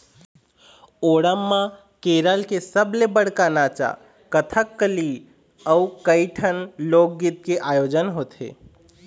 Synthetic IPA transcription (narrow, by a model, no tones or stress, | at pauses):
oɽəmːã | keɾəlkesəblebəɽ̤kanat͡ʃa̰ | kət̪ʰəkːəli | əukəɪʈʰənlok̚ɡit̪̚keʔajod͡ʒənɦot̪ɦḛ